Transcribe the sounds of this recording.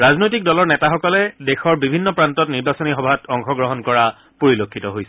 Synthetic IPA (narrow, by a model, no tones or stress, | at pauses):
ɹaznojtik̚dɔlɔɹnɛtaxɔkɔlɛdexɔɹbibʱinːɔpɹantɔtniɹbasɔnixɔbʱatʰɔŋxɔɡɹɔɦɔnkɔɹa | poɹilokʰːitɔɦojsɛ